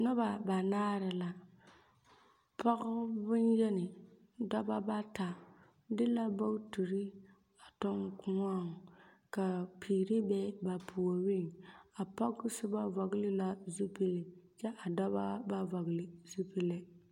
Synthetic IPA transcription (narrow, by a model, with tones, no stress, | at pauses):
nʊ˦ba˨ba˨naː˦ɾɪ˨la˨ | pɔ˦ɣʊ˦bʊ˦njɛ˦nɪ˨ | dɔ˦ba˦ba˦ta˨ | dɪ˦la˦ba˦tu˨ɾi˦ | a˨tɔ˦ŋkʊ˦ŋa˦˨ŋ˨ | ka˨pʰiː˨ɾi˦bɛ˦ba˨pʰu˨o˨wɪ˦ŋa˨pa˦ɡʊ˦sɪ˦ba˦vɔ˨ɡlɪ˦la˦zu˦pi˦lɪ˨t͡ʃɛ˦ʔa˨dɔ˦ba˦ba˦vɔ˨ɣɪ˨lɪ˨zu˦pi˦lɪ˦